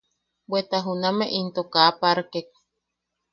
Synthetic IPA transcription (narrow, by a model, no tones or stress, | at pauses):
bet̪aɦunameʔint̪okaːpaɾkek̚